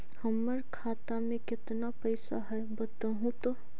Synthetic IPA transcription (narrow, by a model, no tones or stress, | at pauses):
həmːəɾkʰaːt̪amẽkɪt̪napəɪsa̰ɦɛ | bət̪əɦũt̪o